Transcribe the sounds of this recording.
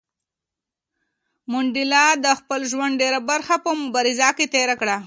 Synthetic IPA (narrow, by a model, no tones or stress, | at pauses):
mʊɳɖɪlɑd̪əxpəlʒwand̪̚ɖeɾabaɾxapəmʊbɑɾɪzaket̪eɾakɽa